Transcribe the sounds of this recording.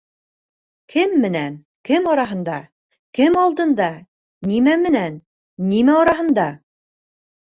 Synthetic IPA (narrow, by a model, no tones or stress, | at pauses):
kʰɘmːɘ̆næn | kɘmɑɾɑɦɤ̆nd̪ɑ | kɘmɑlˠd̪ɤ̆nd̪ɑ | nimæmɘ̆nænː | imæɑɾɑɦɤ̆nd̪ɑ